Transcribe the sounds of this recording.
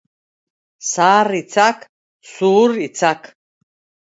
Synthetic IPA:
saːrit͡sʰakʰ | suɾit͡sʰakʰ

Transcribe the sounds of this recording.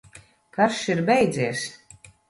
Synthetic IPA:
kaʃiɾbɛjd̪ziɛs

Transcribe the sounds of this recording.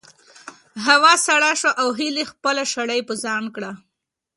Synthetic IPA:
ɦawɑsaɽaʃwaʔawɦilexpəlaʃaɽajpəzɑnkɽa

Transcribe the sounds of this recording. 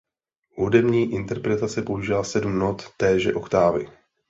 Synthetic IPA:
ɦudɛmɲiːʔɪnt̪ɛɾpɾɛt̪at͡sɛpo̞uʒɪlasɛdumnot̪ːɛːʒɛ̰ʔokt̪aːvɪ

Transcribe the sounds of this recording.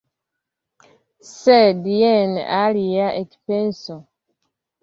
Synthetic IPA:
sediɛnalijaʔeki̥penso

